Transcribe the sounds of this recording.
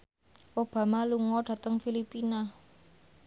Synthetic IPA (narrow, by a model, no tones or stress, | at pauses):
ʔob̥ä̤maluŋɔɖ̥ä̤t̪əŋfilipina